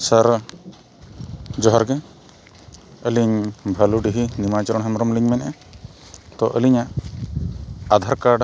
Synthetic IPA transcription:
səɾ | d͡ʒɔɦɔɾɡɛ | əliɲbʱəluɖiɦinimat͡ʃɔɾɔɳɦəmɾɔmliɲmɛnʔɛ | t̪ɔʔə̰liɲaʔ | ad̪ʱaɾkaɖ

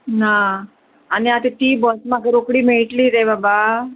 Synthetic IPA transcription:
na | aniat̪et̪iːbɔsmãɡəɾokɽimeʈliɾebaba

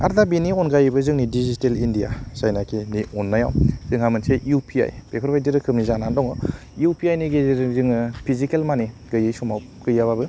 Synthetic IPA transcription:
a̰ɾdabiniɔnɡajɯbɯzɯŋnidizitelindija̰sajnakʰiniɔnːaja̰wzɯŋɦhamɯnseʔiupʰia̰jpepʰɔɾbajdiɾɯkʰɯmnizanandɔŋɔjupʰiajniɡezɯŋɯpʰizikelmaniɡɯjɯjsɔmaw | kɯjːaβabɯ

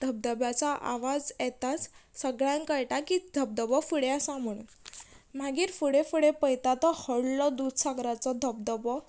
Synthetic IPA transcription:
d̪ʱəb̚d̪əbjat͡saʔa̰ʋad͡zjɛt̪at͡ssəɡɭjãŋkəjʈakid̪ʱəb̚d̪əbɔfuɽeasãm̤əɽ̃un | m̤aɡiːɾfuɽefuɽepəjt̪at̪ɔhəɽlɔd̪ud̪ʱsaɡɾat͡sɔd̪ʱəb̚d̪əbɔ

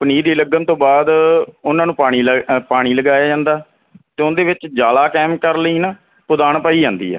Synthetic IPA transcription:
pniːd̪iːləɡənt̪õːbaːd̪ʊnãːnũːpaːɽ̃iːlpaːɽ̃iːləɡaːjaːd͡ʒãːnd̪aː | t̪eːʊnd̪eːʋɪt͡ʃd͡ʒaːlaːkɛːmkəɾləiːnaː | pʊd̪aːɳpaːiːd͡ʒãːnd̪ḭːɦɛ̰ː

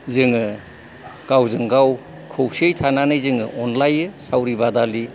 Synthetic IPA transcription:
zɯŋɯ | ɡ̥awzɯŋɡaw | kʰɯwsiejtʰananɯjzɯŋɯ̰ʔɔnlajɯsawɾibadali

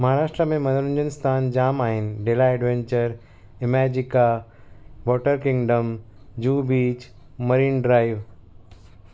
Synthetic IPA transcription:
mɐɦaːɾaːʃʈɾəmẽmɐ̃nəɽə̃ɲd͡ʑənɪst̪ʰaːnd͡ʑaːmaːɦɪnɪ̆ɖeːlaeːɖʋẽɲt͡ɕəɾ | ɪmɛːd͡ʑɪka | ʋɔːʈəɾkɪ̃ŋɡɖəmd͡ʑuːbiːt͡ɕ | mɐɾiːnɖɾaːɪʋ

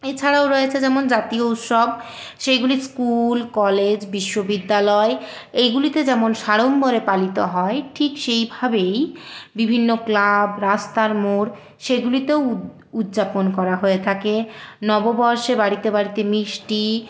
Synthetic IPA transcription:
et͡ɕʰaɾaoɾoet͡ɕʰed͡ʑɛmond͡ʑat̪iout̪ʃob | ʃeɡuliskulkɔled͡ʑbiʃːobid̪ːalɔe | ejɡulit̪ed͡ʑɛmonʃaɽomboɾepalit̪oɦɔeʈʰikʃejbʱabejbibʱinːoklabɾast̪aɾmoɾ | ʃeɡulit̪eo | ud̪d͡ʑaponkɔɾaɦoet̪ʰakenɔbobɔɾʃebaɽit̪ebaɽit̪emiʃʈi

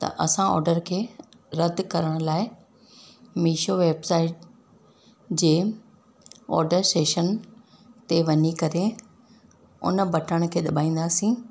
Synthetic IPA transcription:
t̪ɐ̰ʔɐsãɔ̰ːɾɖəɾkʰeː | ɾɐd̪ʱkɐɾəɽ̃laːɪ | miːʃoʋeːbsaːɪʈ̚ | d͡ʑeː | ɔ̰ːɾɖəɾsʈeːʃən | t̪eʋɐɲikɐɾe | ʊ̰nə̆bɐʈʰəɽ̃kʰeːɗɐɓaːĩːnd̪aːsĩː

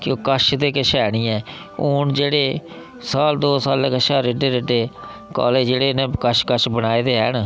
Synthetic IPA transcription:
kõːkəʃd̪eːkəʃɛːɽ̃iːɛ̃ː | oːnd͡ʒeːɽeː | saːld̪oːsaːleːkəʃaːɾeɖeːɾeɖeː | kɔ̰ːleːd͡ʒeːɽeːnẽːkəʃkəʃbənaːeːd̪eːɦɛ̰ːn

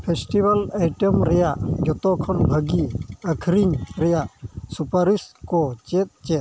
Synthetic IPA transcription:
pʰesʈibɐlajʈemɾɛjaʔɡɔt̪ɔkʰɔnbʱəɡiəkʰɾiɲɾɛjaʔsupaɾiskɔt͡ʃet̪̚t͡ʃet̪̚

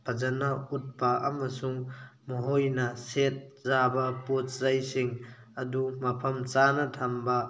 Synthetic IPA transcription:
pʰɐd͡ʒɐnaut̚pɐɐ̰mɐsuŋmoɦojnɐset̚zabɐpot̚zajsiŋ | ɐdumɐpʰɐmt͡ʃanɐtʰambɐ

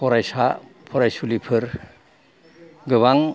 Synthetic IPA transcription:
pʰɔɾajsapʰɔɾajsulipʰɯɾ | ɡɯβaŋ

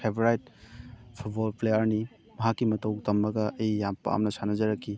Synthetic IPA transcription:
pʰebɾajt̚ | pʰut̚bolplejɐɾni | mɐɦakːimɐtowtɐmːɐɡɐʔɐjːampa̰mnɐsʰanɐzɐɾɐkʰːi

